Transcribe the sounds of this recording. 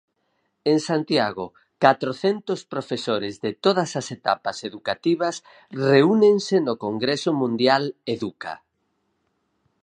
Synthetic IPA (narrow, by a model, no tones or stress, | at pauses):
eŋsant̪jaɣo̰ | kat̪ɾoθent̪ospɾofesoɾezðet̪oð̞ɐsaset̪a̰paseðukat̪iβɐs | reuneŋsenokoŋɡɾesomũnd̪jaleðuka̰